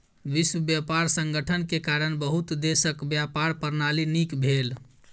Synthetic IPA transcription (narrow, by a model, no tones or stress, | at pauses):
ʋiswəbjapaɾsəŋɡəʈʰənkekaɾənbəɦut̪d̪esəkbjapaɾpəɾnalinikbʱel